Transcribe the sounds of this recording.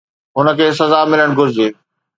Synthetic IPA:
ɦʊnəkʰeːs̬ɐzaːmɪləɽ̃ɡʊɾɪzeː

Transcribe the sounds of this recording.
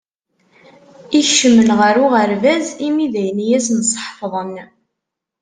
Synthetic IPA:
içʃəmːənʁəɾuʁəɾvæzimiðæjənjæsnsˤħfðˤən

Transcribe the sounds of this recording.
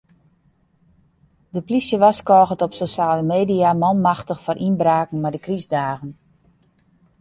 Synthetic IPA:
dəplisjəʋaskɔːɣətɔpsoʃaːləmeːdiamɔnmaxtəxfɔɾʔinbraːkŋ̩madəkrizdaːɣən

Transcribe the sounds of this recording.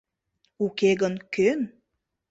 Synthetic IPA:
ukeɣənkøn

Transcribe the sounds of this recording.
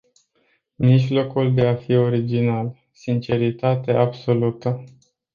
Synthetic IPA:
miʒlo̞kuld̪e̞afio̞ɾid͡ʒinal | sint͡ʃe̞ɾit̪at̪e̞ʔabso̞lut̪ə

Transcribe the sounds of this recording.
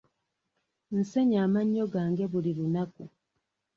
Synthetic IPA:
n̩se̞ɲaːmaɲːo̞ɡaːŋɡe̞βulilunaku

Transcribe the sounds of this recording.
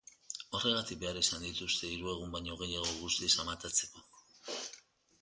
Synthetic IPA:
o̞re̞ɣat̪ik̚be̞aɾisand̪it̪ust̪e̞iɾue̞ɣ̞umbajɲo̞ɣ̞e̞jaɣ̞o̞ɣ̞ust̪isamat̪at͡se̞̥ko̞

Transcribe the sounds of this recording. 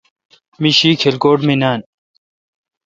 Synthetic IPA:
miɕiːkʰelkoːʈminaːn

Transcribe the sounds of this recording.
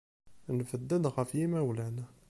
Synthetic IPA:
nfəd̪ːəd̪ɣæfjimæwlænæ

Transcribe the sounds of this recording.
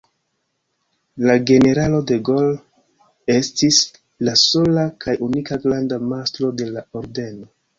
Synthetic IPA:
laɡe̞ne̞ɾalo̞de̞ɡo̞l | e̞stis | laso̞lakʰajunikaɡlandamastɾo̞de̞laoɾde̞no

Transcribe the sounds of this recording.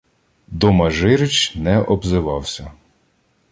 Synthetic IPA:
d̪ɔmɐʒɪɾɪt͡ʃnɛʔɔbzɪʋɑwsʲɐ

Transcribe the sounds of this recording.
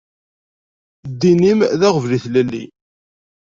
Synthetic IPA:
d̪ːinimðæʁəvliθlælːḭ

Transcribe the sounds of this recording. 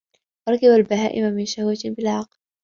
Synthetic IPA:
wɑɾˤɑkɪbalbaɦaːʔɪmamɪnʃahwat̪bɪlʕɑql

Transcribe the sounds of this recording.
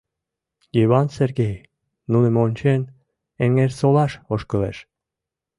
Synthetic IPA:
jiβɑnserɡej | nunemonʲt͡ɕen | eŋeɾsolɑʃoʃkə̆lḛʃ

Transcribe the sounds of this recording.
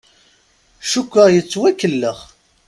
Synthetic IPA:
ʃukʷːəʁjət͡sːwækːəlːəʁ

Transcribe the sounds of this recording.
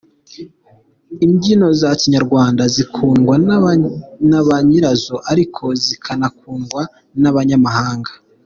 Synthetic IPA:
iɲɟino̞zaciɲaɾɡwaːndazikʰuːŋɡwa | naβaɲiɾazoʔaɾikʰo̞zikʰanakuːŋɡwa | naβaɲamahaːŋɡḁ

